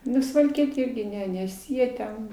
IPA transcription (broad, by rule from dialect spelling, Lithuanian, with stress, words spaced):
ˈnʊ sʊʋɐlʲˈkʲiɛtʲeː ˈɪrʲɡʲɪ ˈnʲɛ nʲɛs ˈjiɛ tʲɛn